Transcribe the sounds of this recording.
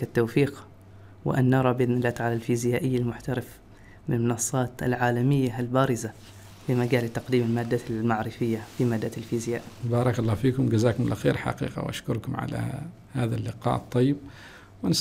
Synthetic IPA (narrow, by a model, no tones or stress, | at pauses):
at̪ːawfiːq | wɪ̰ʔa̰nːɑɾˤɑbʔnnalːaːt̪ʕaːlalfiːzɪjaːʔɪjːalmʊħt̪aɾɪf | mɪnlmʊnɑsˤːɑːt̪a̰lʕaːlamɪjːalbaːɾɪza | fimaɡaːlɪt̪ːɑqd̪iːmɪlmaːd̪ːalmaʕɾɪfɪjːafimad̪ːalfiːzɪjaːʔbɑːɾˤɑkɑlːɑːfiːkʊmɡazaːkʊmlʔaxḛːɾħɑ̰qḭːqɑ̰wʔa̰ʃkʊɾˤkʊmʕa̰la̰ | haːðalːɪqɑ̰ːʔt̪ˤːɑjːɪb̚ | wɪn